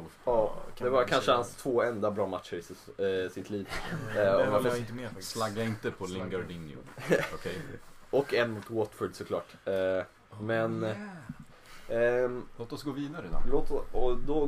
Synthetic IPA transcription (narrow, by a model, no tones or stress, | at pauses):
ɑːd̪ɛvaɾkʰanʂəhanst̪ʰv̥oːɛnd̪abɾɑːmat̪ʂəɾɪssɪt̪ʰliːv | ɔvaɔɪt̪meslaɡːaɪnt̪əpʰɔlɪŋɡəɖɪnjʊ̰ɔkʰɛ | ɔkːɛnːmuːt̪wɔt̪fɪɖ̪sɔkʰlɑ̰ːʈ | mɛn | loːt̪ɔsɡoːviːd̪aɾloːt̪ɔɔd̪ɔ